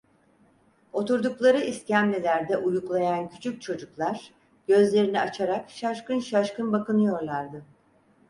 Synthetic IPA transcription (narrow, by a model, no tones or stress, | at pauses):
o̞t̪uɾd̪uklˠaɾɯʔiscæmlʲelʲæɾd̪ɛʔujuklˠajancʰy̥t͡ʃʰyc̚t͡ʃʰo̞d͡ʒuklˠaɾ̥ | ɟ̥ø̞zlʲe̞ɾiniat͡ʃʰaɾakʃaʃkɯnʃaʃkɯnbakɯnɯjo̞ɾlˠaɾd̪ɯ